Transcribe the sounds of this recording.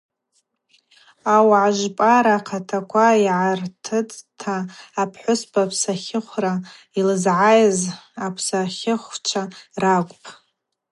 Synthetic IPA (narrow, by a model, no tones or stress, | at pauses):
awʕaʒʷpʼaɾaqʰatʰakʷʰaiʕartʰɨtʼtʰaːpʰħʷʊspʰʼapʰsaχʲɪχʷra | ilɨzʕajzapʰsaχʲɪχʷt͡ʃʷʰarakʷʼpʼ